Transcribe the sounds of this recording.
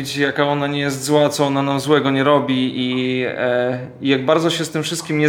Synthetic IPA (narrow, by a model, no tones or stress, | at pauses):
t͡ɕjakaɔnaɲɛjɛs̬t̪zwat̪sɔɔnanamzwɛɡɔɲɛɾɔbʲii | ijaɡ̚baɾd̪zɔɕɛst̪ɘmfʂɘst̪̚kʲimɲɛ